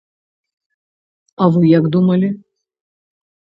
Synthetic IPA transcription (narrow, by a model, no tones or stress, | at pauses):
ɐvɨjakd̪umɐlʲɪ